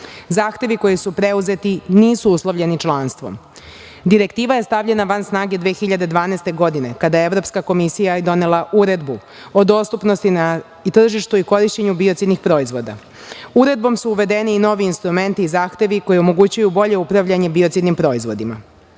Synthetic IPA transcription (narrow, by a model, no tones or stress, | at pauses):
zaːxt̪e̞ʋiko̞jisupɾe̞uze̞t̪iniːsuuslˠoʋʎe̞nit͡ʃlˠanst̪ʋo̞̰m | d̪iɾe̞kt̪iːʋaje̞st̪aʋʎe̞naʋansnaːɡed̪ʋeːxiʎad̪e̞d̪ʋaːnɛːst̪e̞ɡo̞d̪ine̞kad̪ajeeʋɾo̞pskako̞misijajed̪o̞ne̞laʔuɾe̞d̪bu | o̞d̪o̞ːst̪upno̞st̪ina | it̪r̩ʒiʃt̪uiko̞ɾiʃt͡ɕeɲubio̞t̪sid̪nixpɾo̞ːizʋo̞d̪a̰ | uɾe̞d̪̚bo̞msuːʋe̞d̪e̞niːno̞ʋiːnst̪ɾume̞nt̪iːzaːxt̪e̞ʋiko̞jio̞mo̞ɡut͡ɕujubo̞ʎe̞upɾaʋʎaɲe̞bio̞t̪sid̪nimpɾo̞ːizʋo̞d̪ima̰